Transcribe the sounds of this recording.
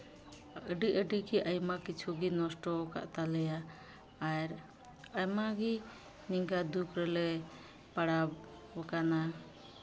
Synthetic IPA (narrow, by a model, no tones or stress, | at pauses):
əɖiʔəɖikiʔajmakit͡ʃʰuɡinɔsʈɔka̰ʔt̪alɛjaː | ɾ | ajmaɡi | niŋɡad̪ukɾɛlɛ | paɽab | əkana